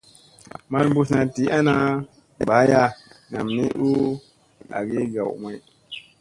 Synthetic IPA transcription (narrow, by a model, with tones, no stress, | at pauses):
ma˦lbu˦sna˨ti˨˦ʔa˦na˦ | ba˨˦ja˦na̰˨mni˦ʔu˦ | a̰˨ɡi˦ɡa̰˨wma˦